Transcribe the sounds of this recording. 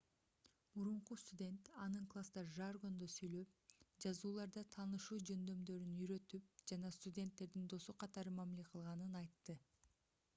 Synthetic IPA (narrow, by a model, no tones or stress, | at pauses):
muɾuɴqust̪udʲe̞nt̪ɑnɯɴklˠast̪ɑʒarɡo̞nd̪osyjlø̞p̚d͡ʒɑzuːlˠɑɾd̪ɑt̪ʰɑːnɯʃuːd͡ʒø̞nd̪ø̞md̪ø̞ɾynyɾø̞t̪yp̚d͡ʒɑnɑst̪udʲe̞nt̪ːe̞ɾd̪ind̪o̞suqʰɑt̪ɑɾɯmæmile̞qʰɯlˠʁɑnɯnɑjt̪ːɯ